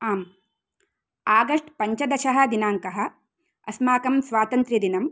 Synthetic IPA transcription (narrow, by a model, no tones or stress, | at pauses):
aːm | aːɡɐʂʈpɐɲt͡ʃɐd̪ɐʃɐɦɐ̆d̪inaːŋkɐɦɐ̆ | ɐ̰smaːkɐmsʋaːt̪ɐnt̪ɾjɐd̪inɐm